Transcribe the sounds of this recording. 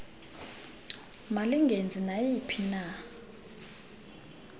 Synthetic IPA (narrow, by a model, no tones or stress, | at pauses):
maliŋɡʱend͡zʱinajipʰina